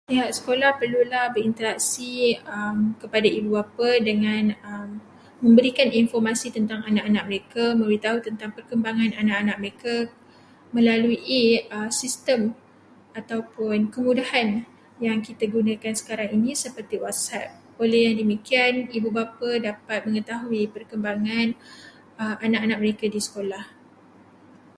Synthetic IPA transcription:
iɦaʔsə̥kolahpərlulahbəɾint̪əɾak̚siəmkəpadaibubapadəŋãnəmː | ə̃mbəɾikaninfɔrmasit̪ənt̪aŋanaʔanak̚məɾekamə̃mɾit̪aɦut̪ənt̪aŋpərkəmbaŋãnanaʔanak̚məɾeka | mə̃laluʔiəsist̪əm | at̪awpʊnkəmũdahan | jaŋkit̪aɡunakansə̥kaɾaŋinĩsəpərt̪iwat̪sap̚ | olehjaŋdəmikianibubapadapat̪̚mə̃ŋət̪aɦuipərkəmbaŋãn | əanakanak̚məɾekadisə̥kolah

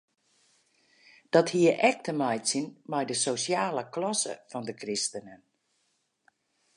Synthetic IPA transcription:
d̥ɔthiəʔɛk̚təmajtsinmajdəsosjaːləklɔsə̰fɔndəkrɪstənən

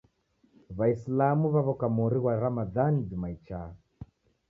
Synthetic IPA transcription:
βaislamuβaβɔkamɔɾiɣwaɾamaðanidimait͡ʃa

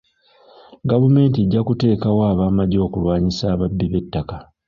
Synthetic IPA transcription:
ɡavume̞ːntieɟːakute̞ːkawaːβaːmaɟo̞ːkulwaːɲisaːβabːiβe̞tːaka

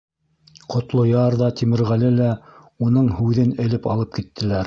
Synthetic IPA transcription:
qŏt̪lˠojɑɾðɑt̪imɘ̆ɾʁælɘlæ | unɤɴhʉðɘnɘ̆lɘpɑlˠɤp̚kit̪ːɘ̆læɾ

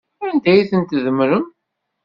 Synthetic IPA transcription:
nd̪æjiθənt̪ðəmɾəm

